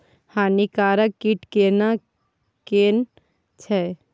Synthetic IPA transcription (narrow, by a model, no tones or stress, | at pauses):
haːnikaːɾəkːiʈkena | keːn | t͡ʃʰɛ